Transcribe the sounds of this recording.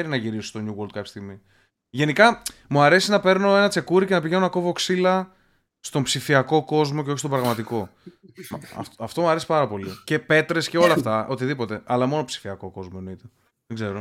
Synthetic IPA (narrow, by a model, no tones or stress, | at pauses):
eɾinɐʝiɾisost̪o̞ɲuɣold̪̚kɐpçe̥st̪iɣmi | ʝe̞nikɐmuɐɾe̞sinɐpe̞ɾno̞e̞nɐt͡se̞kuɾicenɐpiʝeoenɐko̞vo̞ksilɐ | st̪o̞mpsifiɐko̞ko̞zmo̞ceo̞çist̪obɾɐɣmɐt̪iko̞ | ɐ̰tɐft̪o̞muɐɾesi̥pɐɾɐpo̞lice̞pe̞t̪ɾe̞sce̞o̞lɐːft̪ɐʔo̞t̪iðipo̞t̪e̞ʔɐlɐmo̞no̞psi̥fiɐko̞ko̞zmoenoit̪e | ðeɡze̞ɾo